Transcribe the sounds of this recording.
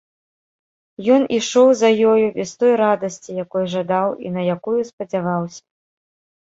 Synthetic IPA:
jɔniʂɔwzɐjɔjubʲɛst̪ɔjɾad̪ɐsʲt͡sʲijakɔjʐad̪awḭnɐjakujuspɐd͡zʲavawsʲɐ̥

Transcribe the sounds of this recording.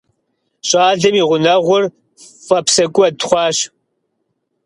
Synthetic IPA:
ɕʼɑːɮɐmiːʁʷʊnɐʁʷʊr | fɐpsɐkʷʼʊɐtχʷɑːɕ

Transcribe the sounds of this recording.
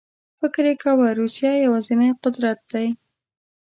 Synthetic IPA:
fɪkɾekawaɾusjɑjawɑzɪnajqʊd̪ɾat̪̚d̪aj

